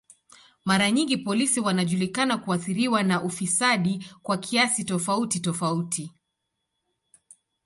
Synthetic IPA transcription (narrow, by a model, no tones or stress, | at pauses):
maɾaɲiŋɡipɔlisiwanaʄulikanakuaθiɾiwanaʔufisaɗikwakʰiasitɔfautitɔfautʰi